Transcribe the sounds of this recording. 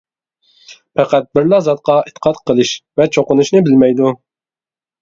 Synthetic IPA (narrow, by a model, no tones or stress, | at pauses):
pʰɛqæt̪̚bɪɾlɑzɑt̪̚qʰɑit̪ʰːə̥qʰɑt̪qʰəlˠɨʃvɛt͡ʃʰoqʊnuʃnɨbɪlmɛjd̪u